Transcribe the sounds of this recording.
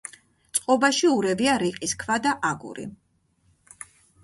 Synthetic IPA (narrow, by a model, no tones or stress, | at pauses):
t̪sʼqʼɔbaʃiuɾɛviaɾiqʼiskʰvad̪aʔaɡṵɾḭ